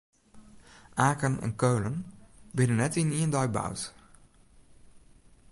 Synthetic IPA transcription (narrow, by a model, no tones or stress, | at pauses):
ʔaːkənɛ̰nkøːlənbɪnənːɛtiniəndɔjba̰wt